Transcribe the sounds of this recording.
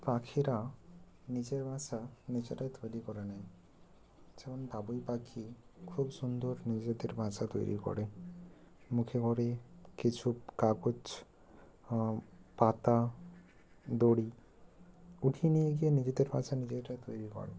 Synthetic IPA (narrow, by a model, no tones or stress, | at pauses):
pakʰiɾa | nid͡ʒeɾbʱãsanid͡ʒeʈajt̪ʰojlikɔɾenaj | semɔned̪abujpakʰikʰubsund̪ɔɾnid͡ʒed̪eɾbʱãt͡ʃat̪o̰jɾḭkɔ̰ɽe | mukʰekɔɾekit͡ʃʰukakut͡ʃ | pat̪a | d̪oɽi | uʈʰinijeɡijenid͡ʒed̪eɾbʱãt͡ʃanid͡ʒeʈajt̪ojɾikɔ̰ɾḛ